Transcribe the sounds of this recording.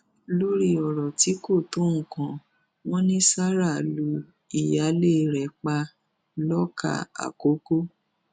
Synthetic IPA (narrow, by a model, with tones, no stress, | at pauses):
lo˦ɾi˦˨ɔ˨ɾɔ˨ti˨˦ko˦˨tũ˨˦˨kã˧ | w̃ɔ̃˦nĩ˦sa˦ɾa˦˨lu˨˧˦ | i˦˨ja˨˦le˦ɾɛ˨k͡pa˧ | lɔ˦ka̰˦˨a̰˨ko˦ko˦